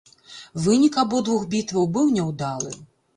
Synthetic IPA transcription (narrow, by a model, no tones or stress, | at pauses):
vɨnʲikabɔd̪vuxbʲit̪vɐwbɨwnʲɛwd̪alˠɨ̰